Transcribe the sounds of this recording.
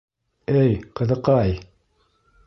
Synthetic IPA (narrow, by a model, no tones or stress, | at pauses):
ɘjqɤ̆ðɤ̆qɑj